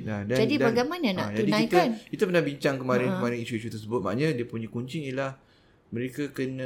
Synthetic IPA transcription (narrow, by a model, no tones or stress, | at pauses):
ladad͡ʒadidbaɡajmanana̰ʔd͡ʒ̪audiknãijk̪t̪ankit̪əpərnabiɲt͡ʃaŋkəmaɾɪnkəmaɾɪniʃuiʃut̪ərs̬əbʊt̪̚maʔɲãdiəpuɲãkuɲt͡ʃɪŋilah | məɾekakənã